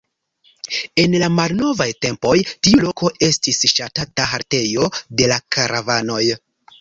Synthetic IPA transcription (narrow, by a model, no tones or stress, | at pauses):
e̞nlamalno̞vajte̞mpo̞jtiulo̞kʰo̞e̞stisʃatataɦaɾte̞jo̞de̞lakaɾavano̞j